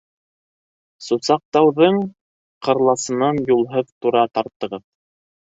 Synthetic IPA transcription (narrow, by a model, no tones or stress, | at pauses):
susɑq̚t̪ɑwðɤɴ | qɤ̆ɾlˠɑsɤ̆nɑnjulˠɦɤðt̪uɾɑt̪ɑɾt̪ːɤ̆ʁɤð